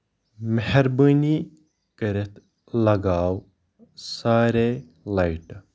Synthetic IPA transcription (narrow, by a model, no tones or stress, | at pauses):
meheɾbəːni | kɐɾet̪ | lɐɡaːw | saːɾe | lɐjʈ